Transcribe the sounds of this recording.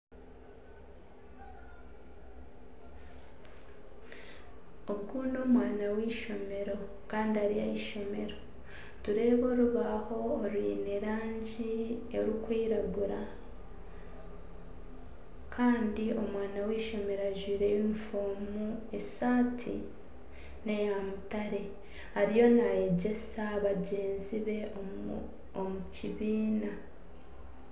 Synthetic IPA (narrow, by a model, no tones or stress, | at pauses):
oɡɡuno̞ːmwaːnawiːʃo̞me̞ɾo̞ | kaːndiaɾija̰iʃo̞me̞ɾo̞ | tuɾe̞ːβo̞ɾuβaho̞ːɾwiːneɾaːɲɟieɾukwiːɾaɡuɾa̰ | kʰaːndio̞mwaːnawiːʃo̞me̞ɾaʒwiːɾejimfoːmue̞saːtʰḭ | ne̞jamutaɾe̞ | haɾijo̞naje̞ɟe̞saːβaɟe̞ːnziβe̞ | omuciβiːna